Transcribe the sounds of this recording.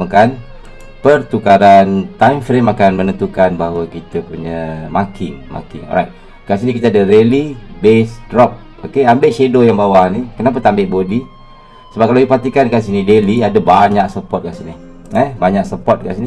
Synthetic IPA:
əkan | pərt̪ukaɾant̪ajmfɾemakanmənənt̪ukanbaɦawakit̪əpuɲamakʰiŋma̰kḭŋɔ̰ɾajt̪̚ | kas̬inikit̪əadəɾelibesdɾɔp̚ | okeambeʔt͡ʃedojaŋbawahnikənap̬at̪aambɪʔbodi | səbap̚kalaipat̪ikankansinideliadəbaɲak̚səpɔt̪̚kaʔsini | ɛbaɲak̚səpɔt̪̚ka̰ʔsini

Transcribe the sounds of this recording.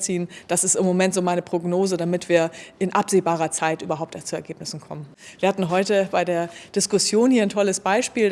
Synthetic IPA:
t͡siːnd̥asɪstɪmːomɛntz̥oːmaɪnəpʁ̥oɡnoːzədamɪtv̥iːɐʔɪnʔapz̥eːbaːʁ̞ɐt͡saɪtʔyːbɐɦaʊptt͡suɛɐɡeːpnɪsn̩kʰɔ̰mən | v̥iːɐhatn̩ɦɔʏtəbaɪdeːɐd̥ɪskʊsjoːnhiɐantʰɔləsb̥aɪʃpiːl

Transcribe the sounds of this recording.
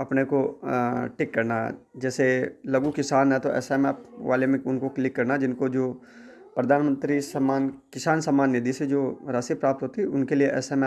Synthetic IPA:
ɐpneko | ʈɪkːɐɾna̰d͡ʒɛːselɐɡũkɪsaːnɦɛ̃t̪oʔɛ̰ːsemɛːpʋa̰ːlemẽʊnkoklɪkːɐɾnad͡ʒɪnkod͡ʒoː | pɾɐd̪ʱaːnmə̃nt̪ɾisɐmaːnkɪsaːnsəmːaːnːɪd̪ised͡ʒoːɾaːsipɾaːp̚t̪ɦoːt̪iɛʊnkelieʔɛ̰ːsemɛ

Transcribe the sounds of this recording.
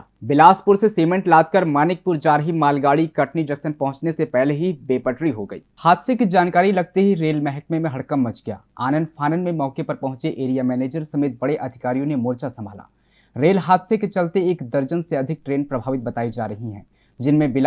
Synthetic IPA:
bɪlaːspʊɾseseːmə̃ɳʈlaːd̪̚kɐɾmaːnɪk̚pʊɾd͡ʒaːɾɦimaːlɡaːɽikɐʈnid͡ʒɐksənpɐɦʊ̃t͡ʃnesepɛɦleɦibeːpəʈɾiɦoɡəḭːhaːt̪ʰsekid͡ʒaːnkaːɾilɐɡ̚t̪eɦiɾeːlmɛɦəkmemẽɦɐɽkəmːɐt͡ʃɡɪja̰ːaːnə̃nɖpʰaːnənmẽmɔːkepɐɾpɐɦʊ̃t͡ʃeʔeːɾijamɛːneːd͡ʒəɾsɐmeːt̪̚bɐɽeʔɐd̪ʱɪkaːɾijõnemoːɾt͡ʃasɐ̃mbʱaːla̰ː | ɾeːlɦaːt̪seket͡ʃɐlt̪eeːkd̪ɐɾd͡ʒənseɐd̪ʱɪk̚ʈɾeːnpɾɐbʱaːʋɪt̪̚bɐt̪aːid͡ʒa̰ːɾɐɦiɦɛ̰̃ː | d͡ʒɪnmẽbɪl

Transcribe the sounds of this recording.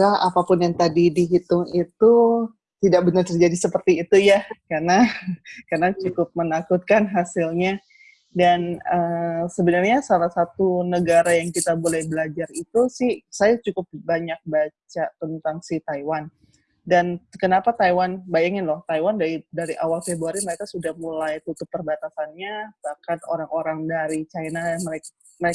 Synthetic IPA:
kaapapʊnjaŋt̪adidiɦit̪ʊŋit̪u | t̪idak̚bənərt̪ərd͡ʒadisəpərt̪iːt̪ujakarnakarnat͡ʃukʊp̚mənakut̪̚kanɦasɪlɲa | danəsəbənarɲasalahsat̪unəɡaɾajaŋkit̪abolɛhbəlad͡ʒarit̪usɪhsajat͡ʃukʊp̚baɲak̚bat͡ʃat̪ənt̪aŋsiht̪aiwan | dankənapat̪ajwanbajaŋɪnlɔht̪ajwandaidaɾiʔawalfebɾuaɾiməɾekasudahmulajt̪ut̪ʊpːərbat̪asanɲabahkano̰ɾaŋoɾaŋdaɾit͡ʃajnaməek | mə

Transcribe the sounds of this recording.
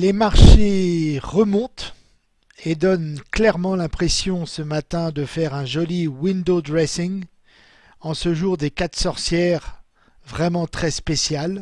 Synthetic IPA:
lemaʁʃeʁəmɔ̃t̪ | ed̪ɔnklɛʁmɑ̃lɛ̃pχɛsjɔ̃səmat̪ɛ̃d̪əfɛʁɛ̃ʒɔliwind̪od̪ʁɛsiŋ | ɑ̃səʒuʁd̪ekat̪sɔʁsjɛʁ | vʁɛmɑ̃t̪χɛspesjal

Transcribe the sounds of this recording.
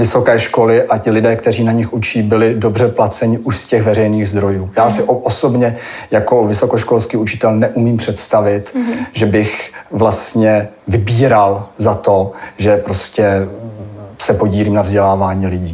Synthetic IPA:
vɪso̞kɛːʃko̞lɪʔacɪlɪdɛːkt̪ɛr̝iːnaɲɪxut͡ʃiːbɪlɪdo̞brɛplat͡sɛɲɪʔusscɛɣvɛrɛjniːɣzd̪ɾo̞juːjaːsɪʔʔoso̞bɲɛ | jako̞vɪso̞ko̞ʃko̞lskiːut͡ʃɪ̥t̪ɛlnɛʔumiːmpr̥ɛt̪st̪avɪt̪ʒɛbɪxvlast̪ɲɛ | vɪbiːɾalzat̪o̞ʒɛpɾo̞scɛ | sɛpo̞ɟiːliːmnavzɟɛlaːvaːɲiːlɪɟiː

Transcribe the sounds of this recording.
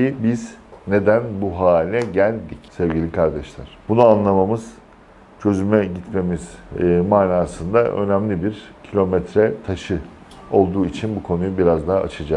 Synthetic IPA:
ibiz̥ne̞d̪ænbuɦaːlʲinɛɟælʲd̪icsɛvɟilʲikʰaɾd̪ɛʃlʲˠaɾ̥b̥unuanlˠamamɯz̥ | t͡ʃʰø̞zymɛɟit̪me̞miz̥maːnaːsɯnd̪aʔø̞̰næmlʲibiɾcʰilʲo̞mɛt̪ɾɛt̪ʰaʃɯ | o̞lˠd̪uːit͡ʃʰinbukʰo̞nujubiɾazd̪aɦaːt͡ʃʰad͡ʒa

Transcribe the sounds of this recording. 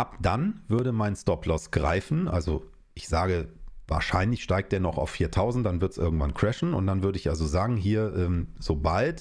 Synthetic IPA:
ʔapd̥anvʏɐɾəmaɪnstɔpʰlɔsɡ̥ʁa̰ɪfn̩ʔa̰lzo̰ | ʔɪçz̥aːɡəva̰ːɐʃaɪnlɪçʃtaɪk̚td̥eːɐnɔχa̰ʊfːiːɐtʰaʊzn̩t̚d̥anvɪɐtsʔɪ̰ɐɡŋ̩tv̥ankʰɹ̥ɛʃn̩ʊ̰nt̚d̥anvʏɐdəɪçʔalzozaːɡŋ̩ɦiːɐʔɛːmzoːbalt

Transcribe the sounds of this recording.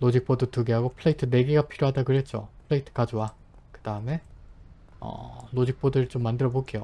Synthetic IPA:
lod͡ʑik̚p͈odotuɡeɦaɡopʰɯɭeitʰɯne̞ɡeɡapʰiɾjoɦadaɡɯɾɦe̞t̚t͡ɕ͈o̰pʰɯɭeitʰɯ̥kad͡ʑowa | kɯd̥aɯme̞ | ʌ̰lod͡ʑik̚p͈odɯɾt͡ɕomːandɯɾʌboɡejo

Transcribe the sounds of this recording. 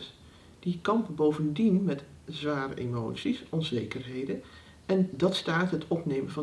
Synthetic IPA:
d̥ikɑmpbowvəndinmɛtzʋaːɾə̰ʔḛmo̰wtsisɔnzejkəɹɦejdə | ɛndɑtstaːtɦətʰɔpnejmənvɑ

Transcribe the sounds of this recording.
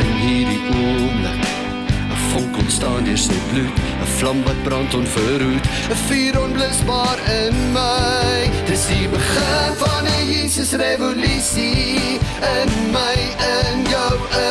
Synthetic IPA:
ənɦiːrdiʔumlə̰k | əfɔŋkɔnstɑːndiərsəjblut | əflɐmvɐt̚brɐntɔnfuɾɦut | əfiːɾɔnbləsbɑːɾənməjd̥əsdibəχənfɐnəjiːsəsrevolysi | ənməjənjəw

